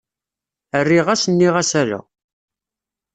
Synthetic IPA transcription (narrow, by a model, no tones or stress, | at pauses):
ərːiʁæsənːiʁæsælṵ